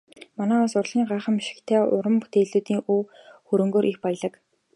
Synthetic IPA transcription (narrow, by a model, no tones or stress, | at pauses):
manæːɔsʊrɮ̥iːŋɢaːχə̆mːiʃɪ̥̆kt̪ʰæːʊɾə̆mpu̥t̪eːɮuːt̪iːŋuːxɵɾɵ̆ŋɡoːɾʔixpaj̆ɮə̆k